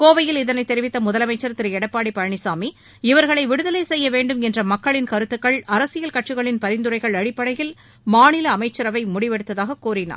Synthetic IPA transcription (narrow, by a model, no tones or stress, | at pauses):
koːʋɐjɪlɪðɐnɐɪt̪ːɛɾɪʋɪt̪ːɐmʊðɐlɐmɐɪt͡ʃːɐɾɐt̪ːɪɾɛɽɐpːaːɽipːɐɻɐɳɪsaːmi | ɪʋɐɾɣɐɭɐɪʋɪɽɯðɐleːsɛjːɐʋeːɳɖɯmɛndrɐmɐkːɐɭɪnkɐɾɯt̪ːɯkːɐɭɐɾɐsɪjɐlkɐʈt͡ʃɯɣɐɭɪnpɐɾɪnd̪ɯɾɐɪɣɐɭɐɽɪpːɐɽɐjɪl | maːnɪlɐːmɐɪt͡ʃːɐɾɐʋɐɪmʊɽɪʋɛɽɯt̪ːɐðaːɣɐkuːrɪna̰ː